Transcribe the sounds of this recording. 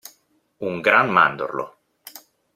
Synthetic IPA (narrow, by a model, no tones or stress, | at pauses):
uŋɡɾanma̰nd̪o̰rlo̰